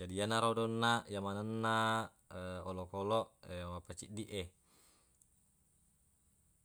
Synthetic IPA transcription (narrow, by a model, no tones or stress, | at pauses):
adianaɾodɔnːajamanənːa | olɔkolɔʔmapat͡ʃḭʔdiʔe